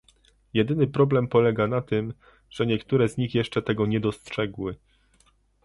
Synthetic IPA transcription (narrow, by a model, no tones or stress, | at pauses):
jɛd̪ɘnɘpɾɔblɛmpɔlɛɡanat̪ɘm | ʐ̥ɛɲɛkt̪uɾɛzɲixjɛʂt͡ʂɛt̪ɛɡɔɲɛd̪ɔstʂɛɡwɘ